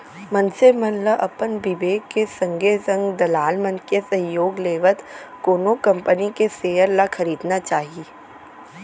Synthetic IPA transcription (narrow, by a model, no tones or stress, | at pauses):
mɐnsemənləʔɐpənbɪʋeːkːesɐ̃ŋɡesə̃ŋɡd̪ɐlaːlmənkesɐ̃ɦjoːɡleːʋət̪koːnokɐ̃mpənikeseːjəɾlaxʰɐɾiːd̪nat͡ʃaːɦieː